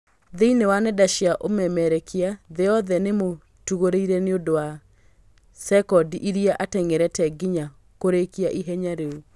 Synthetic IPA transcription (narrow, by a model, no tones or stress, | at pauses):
ðeinewanɛdaʃiaʔomɛmɛɾɛkʰeaðeɔðɛnemo | tuɣoɾeiɾɛneondowa | sɛkɔdiʔiɾiaʔatɛŋeɾɛtɛɡiɲa | koɾekiaʔiɦɛɲaɾeu